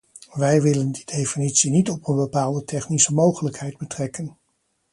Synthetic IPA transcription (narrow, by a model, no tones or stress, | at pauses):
ʋɛjʋɪləndidejfinitsinitɔpənbəpaːlˠdətʰɛχnisəmowχələkhɛjd̚bətrɛkən